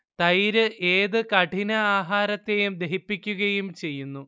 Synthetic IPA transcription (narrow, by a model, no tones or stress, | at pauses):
t̪ɐjɾɨʔe̞ːðɨkɐʈʰinɐaːɦaːɾɐt̪ːe̞jumd̪eɦipːikʲːuɣɐjumt͡ɕe̞jːunːu